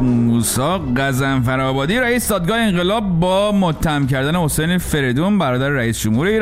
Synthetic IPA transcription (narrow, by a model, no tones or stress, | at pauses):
muːsɒːɢæzæmfæɾɒːbɒːd̪iɾæiːsed̪ɒːd̪̚ɡɒːheenɢelɒːbːɒːmot̪ʰːæhæmcæɾd̪æne̞ho̞sejnefe̞ɾed̪uːnbæɾɒːd̪æɾeɾæiːsd͡ʒomhuːɾe̞iːɾ